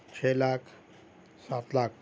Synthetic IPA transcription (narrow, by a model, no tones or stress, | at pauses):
t͡ʃʰelaːkʰ | sat̪laːk̚ʰ